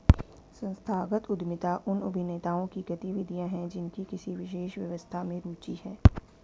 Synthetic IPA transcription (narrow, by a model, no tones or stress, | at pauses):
sə̃nst̪ʰaːɡət̪ʊd̪mɪt̪aʔʊnɐ̰bʱɪneːt̪aːõkiɡɐt̪iʋɪd̪ʱijãɦɛ̃d͡ʒɪnkikɪsiʋɪʃeːʃʋjɐ̰ʋəst̪ʰamẽɾuːt͡ʃihɛː